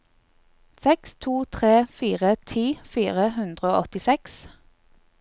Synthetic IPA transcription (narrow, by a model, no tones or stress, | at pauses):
sɛkst̪ʰuːt̪ʰʁeːfiːʁət̪ʰiːfiːʁəhʉnd̪ʁəoːʔɔt̪ɪsɛks